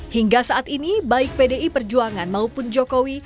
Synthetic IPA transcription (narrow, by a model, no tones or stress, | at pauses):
hiŋɡasaʔːt̪inibaɪk̚pedeipərd͡ʒuaŋanmaupʊnd͡ʒokowi